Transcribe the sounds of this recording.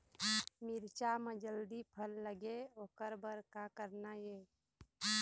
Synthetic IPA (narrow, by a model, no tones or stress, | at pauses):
mɪɾt͡ʃaməd͡ʒəld̪ipʰəlːəɡeoːkəɾbəɾkakəɾnajeː